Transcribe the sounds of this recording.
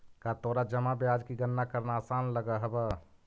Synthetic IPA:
kat̪oːɾad͡ʒəmabjaːd͡ʒkiɡənːakəɾnaːsaːnləɡəɦəbə

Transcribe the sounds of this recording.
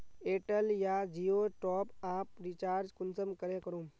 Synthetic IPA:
eːʈəljad͡ʒiːoːʈɔːpaːpɾit͡ʃaːɾd͡ʒkʊnsəmkəɾẽkɐɾõː

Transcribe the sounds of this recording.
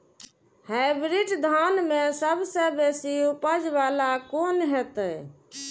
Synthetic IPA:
hajbɾiʈd̪ʱanmesəbsə̃besiupəd͡ʒβalakonɦɛt̪ə

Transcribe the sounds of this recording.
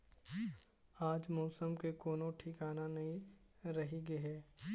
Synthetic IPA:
aːd͡ʒmɔːsəmkekoːnõʈʰiːkaːnanɐɦĩ | ɾɐɦiɡɐɦɛː

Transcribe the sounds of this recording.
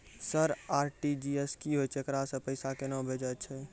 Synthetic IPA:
səɾaːɾʈid͡ʒieskiɦojt͡ʃʰːkɾasə̃pəjsakenɔ̃bʱed͡ʒət͡ʃʰɛ

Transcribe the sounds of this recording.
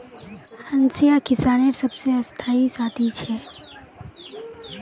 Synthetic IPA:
hɐ̃nsijakɪsaːneɾsɐbseɐst̪ʰaːisaːt̪ʰit͡ʃʰɛː

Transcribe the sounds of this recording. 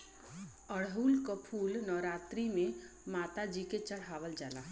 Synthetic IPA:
əɽɦuːlkəpʰuːlnɔːɾaːt̪ɾimẽ | maːt̪ad͡ʒiket͡ʃəɽ̤aːʋəld͡ʒaːla̰

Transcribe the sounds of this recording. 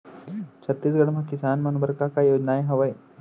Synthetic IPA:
t͡ɕʰət̪ːiːs̬ɡəɽmakisaanmənbəɾkakajod͡ʒnajɦəʋəj

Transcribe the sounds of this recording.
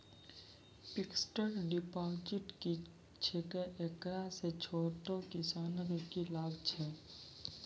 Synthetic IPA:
pɪksʈəɾɖɪpaːd͡ʒɪʈki | t͡ʃʰekəʔekɾaset͡ʃʰoːʈokɪsaːnəɡkilaːbt͡ʃʰɛː

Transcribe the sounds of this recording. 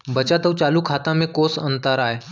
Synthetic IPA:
bət͡ɕat̪əʋt͡ɕalukʰat̪ãmẽkosənt̪əɾae

